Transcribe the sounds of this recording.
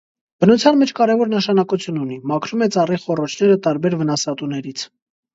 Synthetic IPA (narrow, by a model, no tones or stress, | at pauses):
b̥ənut͡sʰjɑnmɛt͡ʃʰkɑɾɛvɔɾnəʃɑnɑkut͡sʰjunun̪imɑkʰɾumɛt͡sɑriχɔrɔt͡ʃʰn̪ɛɾət̪ɑɾbɛɾvənɑsɑt̪unɛɾit͡sʰ